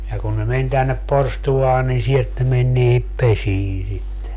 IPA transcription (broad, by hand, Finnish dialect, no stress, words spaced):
jɑ kun ne men tænːep porstuɑː nin sielt ne men niːhip pesiː sitːe